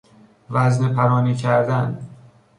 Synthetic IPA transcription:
væznepʰæɾɒːniːcʰæɾd̪æn

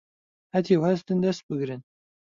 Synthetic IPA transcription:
hɐt̪ʰiwhɐzd̪ɨnd̪ɐst̪̚bɨɡɾɨn

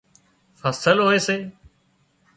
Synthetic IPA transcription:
fəsəlɦoːeːseː

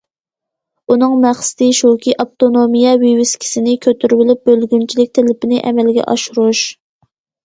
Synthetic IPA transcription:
unɨŋmæχsɪ̥d̪̥ɪʃukʲʰiʔɑp̚t̪onomijɛwiwɪskʲʰi̥sɪnɪkʲʰøt̪ʰyɾbɪlyp̚bølɡʲynt͡ʃʰilɪkʲt̪ʰelɪpʰɪnɪʔɛ̰mɛlɡʲɛ̰ʔɑʃuɾuʃ

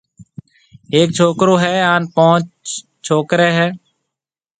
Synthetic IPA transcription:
eːk̚t͡ʃʰoːkɾoːɦɛːaːnpõːt͡ʃ | t͡ʃʰoːkɾeːɦɛː

